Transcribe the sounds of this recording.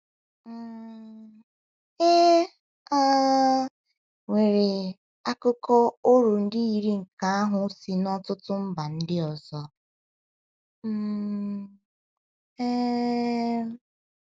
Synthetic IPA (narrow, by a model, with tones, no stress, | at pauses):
e˦ | a˦ | we˨ɾe˨ | a˦kʊ˦kɔ˦o˦ɾu˨n̩˦dɪ˦i˨ɾi˦ŋ̩˨ka˨a˦ɦʊ˨˦si˨nɔ˦tʊ˦tʊ˦m̩˦ba˨n̩˦dɪ˦ɔ˨zɔ˦ | e˦